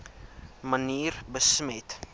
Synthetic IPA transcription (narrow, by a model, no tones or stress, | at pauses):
məniːrbəsmɛt